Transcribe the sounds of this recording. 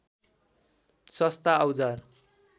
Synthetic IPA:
sʌst̪aʌwd͡zar

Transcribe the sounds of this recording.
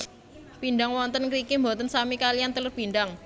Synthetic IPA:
b̥inɖaŋwɔnt̪ənkɾikimbɔt̪ənsamikalijant̪əlʊrb̥inɖaŋ

